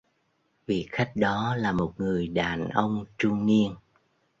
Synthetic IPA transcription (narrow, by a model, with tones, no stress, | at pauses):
vḭ˧˨xa˦˥jk̟̚ɗɔ˨˦laː˨˩mo˨˩t̚ŋɨ˨˩əjɗaː˨˩nʔə˧wŋ͡mt͡ɕʊ˧ŋ͡mni˧ən